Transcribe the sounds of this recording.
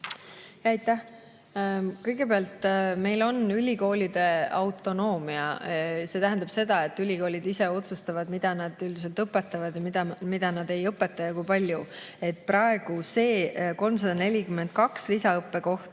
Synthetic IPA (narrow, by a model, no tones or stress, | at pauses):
jɑɑjt̪ːˑæh | kɤjɡ̥e̞peɑlt̪me̞jlo̞nylʲiko̞ːlʲid̪̥e̞ɑwt̪ˑːo̞no̞ːmiɑ̰se̞ːt̪æɦænd̪ɑb̥se̞d̪̥ɑe̞t̪ːˑylʲiko̞ːlid̪ise̞o̞t̪sust̪ɑvɑd̪mid̪̥ɑnɑd̪̥yld̪iselt̪ɤpːˑet̪ːˑɑvɑd̪jɑmid̪ɑmid̪̥ɑnɑd̪e̞jɤpːˑe̞t̪ːˑɑjɑkujpɑlʲju | e̞t̪̚ːˑprɑe̞ɡ̥use̞ːko̞lms̬ɑd̪ɑne̞lʲikyme̞ndt̪̚kɑkslisɑɤpːe̞ko̞ht̪ɑ̥